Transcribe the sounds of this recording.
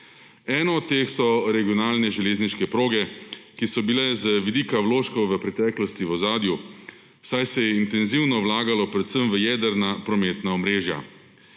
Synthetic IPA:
ɛːnɔːt̪t̪ːeːxsɔɾɛɡiɔnaːlnɛʒɛleːzniʃkɛpɾoːɡɛkisɔbilɛzəʋid̪iːkawloːʃkɔwʋəpɾɛt̪ɛːklɔst̪iʋɔzaːd̪ju | sajsɛjɛint̪ɛnziwnɔwlaːɡalɔpɾɛt̪səmʋəjɛːd̪əɾnapɾɔmeːt̪naɔmɾeːʒja̰

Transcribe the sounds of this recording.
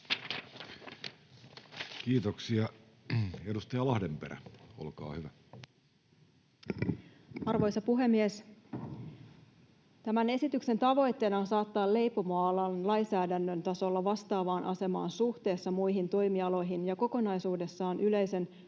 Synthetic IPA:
kiːt̪oksiɑ | edust̪ɑjɑlɑhdempeɾæ̰o̰lkɑ̰ːhyʋæ | ɑrʋo̞jsɑpuɦe̞mːies | t̪æmæne̞sit̪ykse̞nt̪ɑʋo̞jt̪ːe̞ːnɑons̬ɑːt̪ːɑːlle̞jpo̞mɑːlɑnlɑjsæːdænːønt̪ɑso̞lːɑʋɑst̪ɑːʋɑːnʔɑse̞mɑ̰ːnsuht̪e̞ːsːɑmujɦint̪o̞jmiɑlo̞jɦinjɑko̞ko̞nɑjsuːde̞sːɑːnʔyle̞jse̞n

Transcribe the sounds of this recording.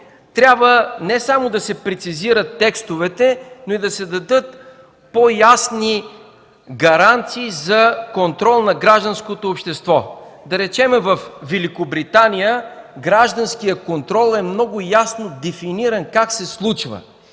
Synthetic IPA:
t̪ɾʲjabvənɛsamʊd̪ɐsɛpɾɛt̪siziɾət̪ːɛkst̪ʊvɛt̪ɛnoid̪ɐsɛd̪ɐd̪ɤt̪̚ | pojasni | ɡɐɾant̪siːzɐkont̪ɾɔlˠnɐɡɾaʒd̪ɐnskot̪oːpʃt̪ɛst̪vɔd̪ɐɾɛt͡ʃɛmɛvɐfvɛlikobɾit̪anʲijəɡɾaʒd̪ɐnskijəkont̪ɾɔlˠɛmnɔɡʊjasnod̪ɛfiniɾɐnkaksɛslˠut͡ʃvə̰

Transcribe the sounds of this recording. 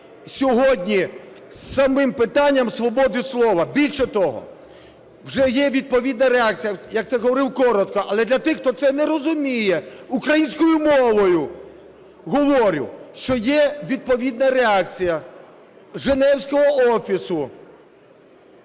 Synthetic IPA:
sʲɔɦɔdʲnʲi | ssɐmɪmpɪt̪ɑnʲːɐmsʋɔbɔd̪ɪslˠɔʋɐbʲilʲʃɛt̪ɔɦɔ̰ | wʒɛjɛʋʲid̪̚pɔʋʲid̪nɐɾeɑk̚t͡sʲijɐjɐk̚t̪ɛɦɔʋɔɾɪwkɔɾɔt̪kɔʔɐlˠɛd̪lʲɐt̪ɪxt̪ɔt̪sɛnɛɾɔzʊmʲijɛukɾɐjinʲsʲkɔjʊmɔʋɔjʊ | ɦɔʋɔɾʲʊ̰wʃt͡ʃɔjɛʋʲid̪̚pɔʋʲid̪̚nɐɾeɑk̚t͡sʲijɐ | ʒenɛwsʲkɔɦɔɔfʲisʊ

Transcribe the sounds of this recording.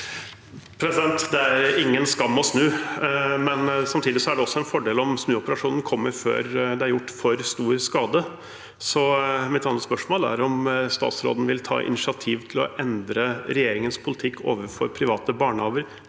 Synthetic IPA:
pʰɾɛsɪd̪ɛnt̪d̪ɛæɾɪŋːənskɑmːɔsnʉː | mɛnsɑmt̪ʰiːd̪ɪsɔæɖɛɔsːɔɛnfɔɖeːlɔmsnʉːɔpəɾɑʂuːnn̩kʰɔmːəɾfø̰ːɾd̪ɛæɾjʊʈːfɔɾst̪uːɾskɑːd̪ə | sɔmɪt̪ɑnət̪spœʂmoːlæ̰ɾɔmst̪ɑ̰ːt̪sɾo̰ːd̪n̩ʋɪlt̪ʰɑ̰ːʔɪ̰nɪsɪɑt̪ʰiːʋt̪ʰɪlɔ̰ʔɛnd̪ɾəɾɛjeːɾɪŋənspʰʊlɪt̪ʰɪkːo̰ːʋəɾfɔɾpʰɾɪʋɑːt̪əbɑːɳəɑːʋəɾ

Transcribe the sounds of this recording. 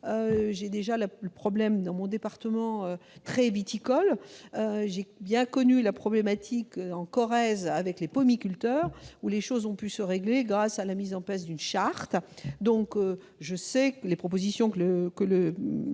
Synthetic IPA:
øʒed̪eʒalələpχɔblɛmd̪ɑ̃mɔ̃d̪epaʁt̪əmɑ̃øt̪χɛvit̪ikɔløʒebjɛ̃kɔnylapχɔblemat̪ʰikøɑ̃kɔʁɛzavɛklepɔmikʲylt̪œːʁuleʃozɔ̃pysəʁeɡleɡʁasalamizɑ̃plas̬d̪ynʃaʁt̪d̪ɔ̃kø | ʒəsɛklepχɔp̬ozisjɔ̃kləkələ

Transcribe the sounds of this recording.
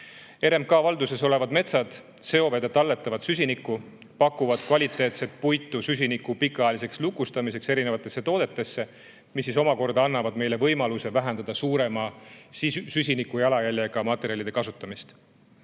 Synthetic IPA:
e̞ɾemkɑːvɑld̪use̞so̞le̞vɑd̪me̞t̪sɑd̪̥ | se̞o̞ve̞d̪jɑt̪ɑlːet̪ːˑɑvɑd̪sysʲinikːˑu | pɑkːˑuvɑd̪̥kvɑlʲit̪ːˑe̞ːt̪se̞t̪̚ˑpujt̪ːˑusys̬ʲinikːˑupikːˑɑelise̞kslukːˑust̪ɑmise̞kse̞ɾinevɑt̪ːˑe̞sːe̞t̪o̞ːd̪̥e̞t̪ːˑe̞sːe̞ | misːiso̞mɑko̞rd̪ɑɑnːɑvɑd̪me̞jle̞vɤjmɑluse̞væɦend̪ɑd̪̥ɑsuːɾe̞mɑ | sys̬ʲinikːˑujɑlɑjælʲjeɡ̥ɑmɑt̪ːˑe̞ɾiɑlid̪e̞kɑsut̪ːˑɑmist̪

